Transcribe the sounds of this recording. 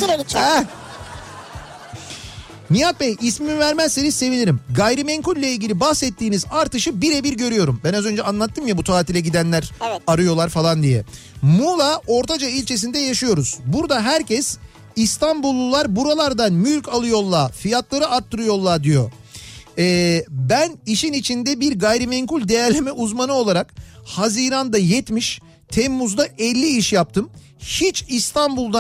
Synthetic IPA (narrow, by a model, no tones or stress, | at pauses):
ɛ | mijat̪̚bɛjismimivæɾmɛzːe̞nizse̞vilʲiɾimɡajɾimɛŋkulʲːailʲɟʲilʲibahsɛt̪ːiːnizaɾt̪ɯʃɯbiɾɛbiɾɟø̞ɾyjo̞ɾumbænazø̞nd͡ʒɛanlˠat̪ʰːɯmjabut̪ʰaːt̪ilʲɛɟid̪ænlʲæɾaɾɯjo̞lˠaɾfalˠand̪ijɛ̰ | mulˠao̞ɾt̪ʰad͡ʒailʲt͡ʃʰe̞s̬ind̪ɛjaʃɯjo̞ɾuz̥buɾd̪aɦæɾcɛs | ist̪ʰanbulˠːulˠːaɾbuɾalˠaɾd̪anmylʲcʰalˠɯjo̞lˠːaːfijat̪lˠaɾɯaɾt̪ʰːɯɾɯjo̞lˠːaɾd̪ijo̞̰ | ɛːbæniʃinit͡ʃʰind̪ɛbiɾɡajɾimɛŋkulʲd̪ejæɾlʲemɛʔuzmanɯo̞lˠaɾakhaziːɾand̪ajɛt̪miʃ | t̪ʰɛmːuzd̪aʔɛlʲːiiʃjap̚t̪ʰɯm | hit͡ʃist̪ʰanbulˠd̪a